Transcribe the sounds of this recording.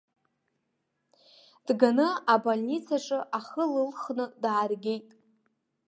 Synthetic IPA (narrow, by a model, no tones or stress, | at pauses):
d̥ɡanɨabalʲnit͡sʰaʈ͡ʂʼɨʔaχəlɨlχnɨdʕaːrɡʲe̞jtʼ